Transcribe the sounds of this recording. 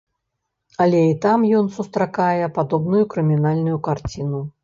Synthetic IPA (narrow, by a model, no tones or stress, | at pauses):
ɐlʲɛit̪amjɔnsust̪ɾakajɛpad̪ɔbnujukɾɨmʲinalʲnujukart͡sʲinu